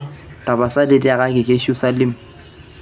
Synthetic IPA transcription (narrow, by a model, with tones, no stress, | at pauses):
tʼa˨ba˨sa˦dɪ˦tʼɪ˦a˨ɣa˦kʼɪ˨kʼɪ˦ʃu˦sa˦lɪ˦m̩˨